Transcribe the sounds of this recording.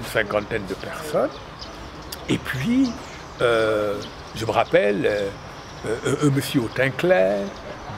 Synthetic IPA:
nsɛ̃kɑ̃t̪ɛnd̪əpɛʁsɔn | epʰɥi | ø | ʒəməʁapɛlø | ʔːməsjəot̪ɛ̃klɛʁ

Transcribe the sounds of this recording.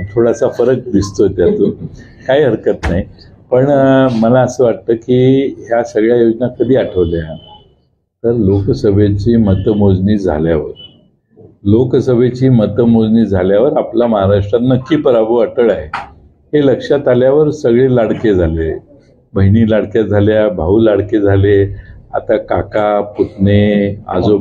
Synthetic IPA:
t̪ʰoɽasafəɾək̚d̪ist̪ot̪jat̪u | kaiːɦəɾkət̪naɦi | pəɳməlaəsəːʋaʈ̚t̪əːkiːɦjasəɡɭjajod͡znakəd̪ʱiːaʈʰəʋlea | t̪əɾloksəbʱet͡ɕiːmət̪əmod͡zniːd͡zʱa̰ljaʋəɾ | loksəbʱet͡ɕiːmət̪əmod͡zniːd͡zʱaljaʋəɾaplaməɦaɾaʂʈɾanːəkːiːpəɾabʱəəʈəɭaɦe | heləkʂat̪aljaʋəɾsəɡɭelaɽked͡zʱale | bʱəɦiniːlaɽkjad͡zʱaljabʱaulaɽked͡zʱalea̰t̪akakaput̪nea̰d͡zo

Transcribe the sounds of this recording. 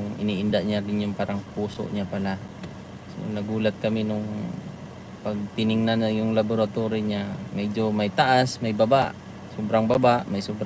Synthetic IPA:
ʊŋɪ̰niʔɪnd̪aʔɲaɡɪnjʊŋpaɾaŋpuːso̰ʔɲapala | so̰nɐɡuːlat̪̚kɐminʊŋ | paɡ̚t̪ɪnɪŋnanajʊŋlaboɾat̪oɾɪɲamɛd͡ʒomajt̪aʔasmajbabaʔ | sobɾaŋbabaʔmajsubɾ

